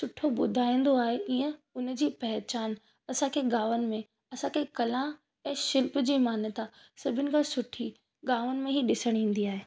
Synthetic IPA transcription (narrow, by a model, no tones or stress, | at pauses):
sʊʈʰoɓʊd̪ʱaːĩːn̆d̪oaːɦeʔĩːə̃ʊnd͡ʑiːpɐɦt͡ɕaːn | ɐsãkʰeɠaːʋənɪ̆mẽ | ɐsãkʰekɐlã | ɛ̃ːʃɪlp̆d͡ʑiːmaːnət̪a | sɐbʱɪnɪ̆kʰãsʊʈʰi | ɡaːʋənɪ̆mẽɦiɗɪsəɽ̃ĩːn̆d̪iaːɦeː